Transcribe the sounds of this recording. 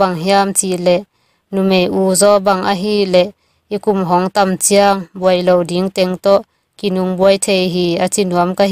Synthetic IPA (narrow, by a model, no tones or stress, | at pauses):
baŋɦiamt͡silɛʔ | numejʔuːzɔbaŋʔaɦilɛʔ | ikumɦɔŋt̪amt͡siaŋbuəjlowdiŋt̪ɛŋt̪ɔʔ | kinuŋbuəjt̪ʰejɦiːat͡sinuəmka